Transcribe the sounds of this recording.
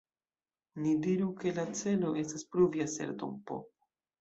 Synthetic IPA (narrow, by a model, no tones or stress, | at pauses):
nidiɾuke̞lat͡se̞lo̞ʔe̞staspɾuviase̞̰ɾdo̰mpo̞̰